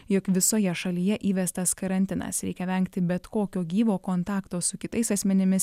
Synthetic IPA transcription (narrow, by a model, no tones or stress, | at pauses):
jokʋʲɪsoːjɛʃɐlʲiːjɛʔiːʋʲɛst̪ɐskɐɾɐnʲt̪ʲɪnɐ̰sɾʲɛɪkʲɛʋʲɛŋkt̪ʲɪbʲɛt̪koːkʲoːɡʲiːʋoːkoːnt̪ɑːkt̪oːsʊkʲɪt̪ɐɪsɐsʲmʲɛnʲɪmʲɪs